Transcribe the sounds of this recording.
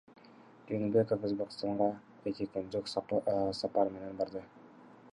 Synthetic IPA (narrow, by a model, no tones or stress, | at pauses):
eŋbʲekofozbekʲst̪ɑɴʁɑ | ekekend͡ʒokssɑpɑɾmenenbɑɾd̪ɤ